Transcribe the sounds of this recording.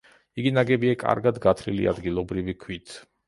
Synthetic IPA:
iɡinaɡɛbiakʼa̰ɾɡad̪ɡat̪ʰlilḭa̰d̪ɡilˠɔbɾivikʰwit̪ʰ

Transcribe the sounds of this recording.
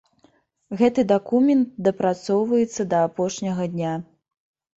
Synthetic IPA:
ɣɛt̪ɨd̪akumʲɛnt̪̚d̪ɐpɾat̪sɔwvɐjɛt̪sːɐd̪ɐːpɔʂnʲɐɣɐd̪ʲnʲa

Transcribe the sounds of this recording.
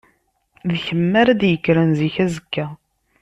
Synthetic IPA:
ðçəmːæɾæd̪jəkːɾænziçæzəkːæ

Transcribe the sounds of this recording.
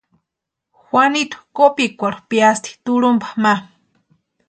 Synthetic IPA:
xwʷanit̪ḁkopikʷaɾupiast̪ʰi̥t̪uɺumbḁma

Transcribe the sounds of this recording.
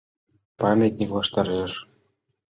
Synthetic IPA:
pɑmʲet̪ʲnʲiklɑʃt̪ɑɾeʃ

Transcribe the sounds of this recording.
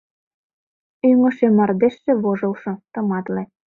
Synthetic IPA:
yŋɤ̆ʃemɑrd̪eʃːĕβoʒɤlʃɤ̆t̪ɤ̆mɑt̪le

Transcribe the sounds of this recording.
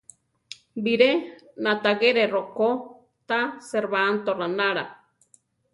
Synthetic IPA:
biɾenat̪aɣeɾeroko | t̪aseɾβaːnt̪oranaɾa

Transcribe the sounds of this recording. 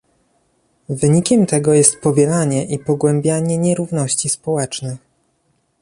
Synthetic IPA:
vɘɲikʲɛmt̪ɛɡɔjɛst̪̚pɔvʲjɛlaɲɛʔipɔɡwɛmbʲjaɲɛɲɛɾuvnɔɕt͡ɕispɔwɛt͡ʂnɘ

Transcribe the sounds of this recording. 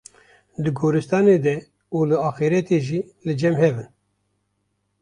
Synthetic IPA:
d̪ɨɡoːɾɨst̪ɑːned̪ɛ | uːlɨɑːxiɾɛt̪eːʒiː | lɨd͡ʒɛmhɛvɨn

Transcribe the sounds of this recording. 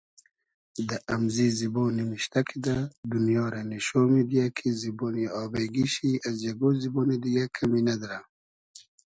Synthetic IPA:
d̪əʔamziziboːnimiɕt̪akʰid̪ad̪unijɑːɾaniʃoːmid̪ijakʰiziboːniɑːbajɡiɕiazjaɡoziboːnid̪ijakʰaminad̪ɾa

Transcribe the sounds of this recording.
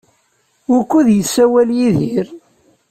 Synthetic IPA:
ʊɾkːuðjəsːæwæljiðiɾ

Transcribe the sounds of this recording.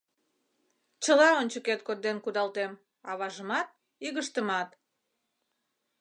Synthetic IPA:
t͡ɕəlɑonʲt͡ɕəket̪kot̪̚d̪enkud̪ɑlt̪em | ɑβɑʒəmɑt̪̚ | iɣəʃt̪əmɑt̪

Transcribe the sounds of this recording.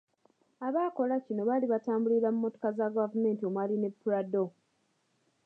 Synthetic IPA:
aβaːko̞lacino̞βaliβataːmbuliɾamumːo̞to̞̥kazaɡavume̞ːntio̞mwaline̞pːuɾado̞

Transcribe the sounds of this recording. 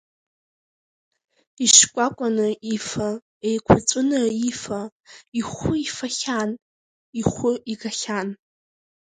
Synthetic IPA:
iʃkʷʼakʷʼanɨifa | ejkʷʰat͡sʷʼʊnɨifaiχʷʊifaχʲan | iχʷʊiɡaχʲan

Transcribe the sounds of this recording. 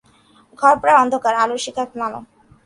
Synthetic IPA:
ɡʱɔɾpɾaɔnd̪ʱokaɾaloʃikʰːakmalo̰

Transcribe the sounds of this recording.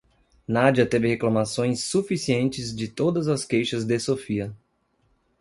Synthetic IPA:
nad͡ʒɐt̪evɪheklɐ̃masõj̃sːufisiẽnt͡ʃɪzd͡ʒɪt̪od̪ɐzɐskejʃɐzd̪esofiɐ

